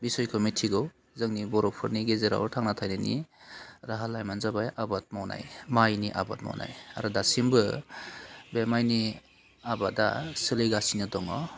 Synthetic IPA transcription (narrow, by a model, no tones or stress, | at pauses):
bisɔjkʰɯmitʰiɡɯw | zɯŋnibɔɾɔpʰɯɾniɡezeɾa̰wɾtʰaŋnatʰajnani | ɾaɦalajmanzabajʔabat̚mawna̰jmajniʔa̰ba̰t̚ma̰wna̰ja̰ɾɯdasimbɯ | bemajni | abada̰sɯlɯjɡasinɯdɔŋɔ